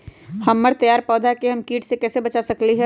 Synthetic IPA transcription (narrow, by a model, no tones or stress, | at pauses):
hɐmːəɾt̪ɐjaːɾpɔːd̪ʱakeɦɐmkiːʈsekɛːsebɐt͡ʃasɐkliɦɛ